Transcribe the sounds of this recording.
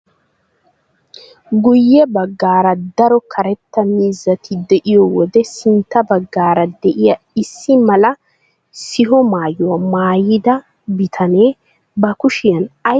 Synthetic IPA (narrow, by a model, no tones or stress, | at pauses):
ɡʊjːɛbɐɡːaːɾɐd̪ɐɾɔkʰɐɾɛt̪ːɐmiːzːɐt̪ʰɪd̪ɛʔɪjɔwɔd̪ɛsɪnt̪ːɐbɐɡːaːɾɐd̪ɛʔɪjɐ | ɪsːɪmɐlɐ | sɪɦɔmaːjʊwɐmaːjɪd̪ɐ | bɪt̪ʰɐneː | bɐkʊʃɪjɐnɐ